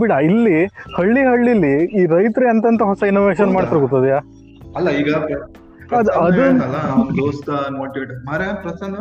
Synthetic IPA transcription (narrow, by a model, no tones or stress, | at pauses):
biɽailːihɐɭːiɦɐɭːilːiːɾɐjt̪ɾiɐnt̪ɐnt̪ɐɦɔsɐinoːʋeːʃɐnmaːɽt̪ɐɾuɡot̪ːɐd̪jaː | ɐlːɐiːɡɐ | ɐd̪ɐd̪ɐnɐlːɐnd̪oːst̪ɐnoɳʈieʈmɐɾeapɾɐsɐnɐ